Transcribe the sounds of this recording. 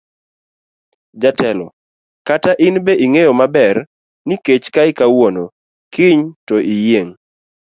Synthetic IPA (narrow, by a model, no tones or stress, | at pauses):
d͡ʒatɛlɔ̰ | kataʔɪnbeʔiŋejomabɛr | niket͡ʃkaɪkawono | kɪɲtoʔijeŋ